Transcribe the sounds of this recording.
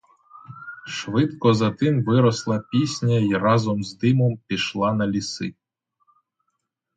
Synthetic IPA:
ʃvɨt̪kɔzat̪ɨmvɨɾɔslˠɐpʲisʲnʲaiɾazɔmzd̪ɨmɔmpʲiʃlˠanɐlʲisɨ̰

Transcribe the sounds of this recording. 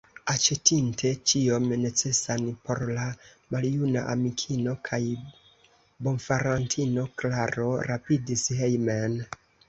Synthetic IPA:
at͡ʃetintʰe̞t͡ʃiomne̞t͡se̞sanpo̞ɾla | maljunaʔamikʰino̞kʰaj | bo̞nfaɾantʰino̞klaɾo̞ɾapidisɦejmen

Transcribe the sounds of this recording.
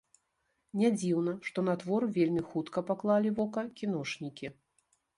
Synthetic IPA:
nʲad͡zʲiwnɐʂt̪ɔnat̪vɔrvʲelʲmʲixut̪kɐpaklˠalʲivɔkɐkʲinɔʂnʲikʲi

